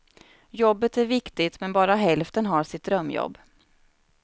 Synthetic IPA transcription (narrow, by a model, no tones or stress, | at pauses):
jɔbːət̪æɾvɪkt̪ɪt̪mɛnbɑːɾaɦɛlft̪ənɦaʂɪt̪̚d̪ɾœmːjɔ̰bː